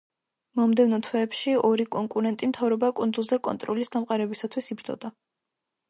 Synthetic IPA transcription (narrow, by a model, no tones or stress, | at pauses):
mɔmd̪ɛvnɔt̪ʰwɛːpʃiɔɾikʼɔŋkʼuɾɛnt̪ʼimt̪ʰavɾɔbakʼund̪zulˠzɛkʼɔ̰nt̪ʼɾɔlisd̪amqʼaɾɛbisat̪ʰwisibɾd̪z̥ɔ̰d̪a